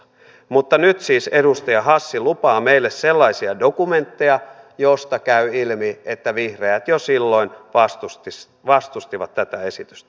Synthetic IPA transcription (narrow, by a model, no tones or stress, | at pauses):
mut̪ːɑnyt̪siːsedust̪ɑjɑɦɑsːilupɑːmeilːesselːɑisiɑdokument̪ːejɑ | jost̪ɑkæyilmiet̪ːæʋihreæt̪josilːoinʋɑst̪ust̪is | ʋɑst̪ust̪iʋɑt̪tːæt̪æesit̪y̥st̪æ̥